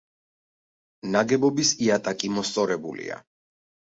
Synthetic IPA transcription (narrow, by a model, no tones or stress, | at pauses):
naɡɛbɔbisiat̪ʼakʼimɔst̪sʼɔɾɛbulḭa̰